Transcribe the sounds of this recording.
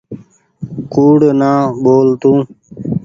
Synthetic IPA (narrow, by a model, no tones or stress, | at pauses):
kuːɽnãːboːlt̪ũː